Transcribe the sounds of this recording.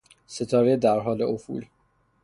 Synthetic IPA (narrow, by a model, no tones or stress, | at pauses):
se̞t̪ʰɒːɾed̪æɾɦɒːle̞ofṵl